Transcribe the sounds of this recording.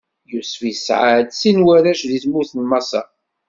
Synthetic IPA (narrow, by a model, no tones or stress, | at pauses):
jusfisʕad̪sinwæɾæʃðiθmuθənmɑsɑ̰